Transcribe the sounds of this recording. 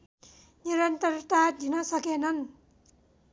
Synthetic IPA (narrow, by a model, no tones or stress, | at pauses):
niɾʌnt̪ʌrt̪ad̪inʌsʌkenʌn